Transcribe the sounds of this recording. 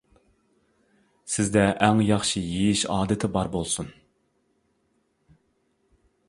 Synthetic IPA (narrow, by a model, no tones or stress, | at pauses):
sɪzd̪ɛʔæŋjɑχʃijijiʃɑːd̪ɨt̪ʰɪbɑɾbolˠsun